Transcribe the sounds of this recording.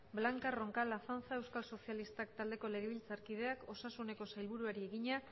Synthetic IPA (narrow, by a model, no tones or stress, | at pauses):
blaŋkaro̞ŋkalafant͡sae̞wskalso̞sialist̪ak̚t̪ald̪e̞ko̞le̞ɣ̞eβilt͡saɾkið̞e̞ako̞sasune̞ko̞sajlβuɾuaɾie̞ɣiɲa